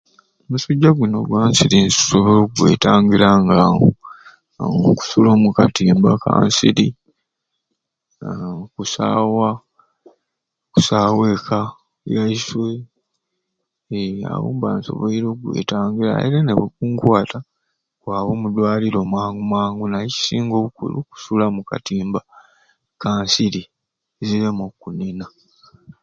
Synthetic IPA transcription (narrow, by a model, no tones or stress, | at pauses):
omusuɟːaɡuno̞̰ɡwaːnsiɾinssoβoɾoɡwḛːtaːŋɡiɾaŋɡao | ŋoku̥sulo̞ːmukatiːmbaka̰ːnsḭɾi | kusaːwa | ku̥saːwe̞ːkʰa | jaiswe | a̰wuːmbaːnso̞̰βoiɾo̞ɡwḛːtaːŋɡila̰ḭɾeneβekuːŋkwaːtʰa | kwaːβomudwaːliɾo̞mwaːŋɡumwaːŋɡunajeci̥siːŋɡo̞ːβukṵlṵku̥sulamuka̰tiːmba | kaːnsili | ziɾemokunina